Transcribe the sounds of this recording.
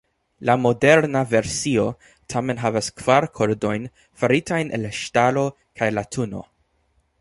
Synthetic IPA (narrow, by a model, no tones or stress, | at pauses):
lamo̞de̞ɾnave̞ɾsio̞ | tʰame̞nɦavaskv̥aɾkʰo̞ɾdo̞jn | faɾitʰajnʔḛlaʃtalo̞ | kʰajlatʰuno̞̰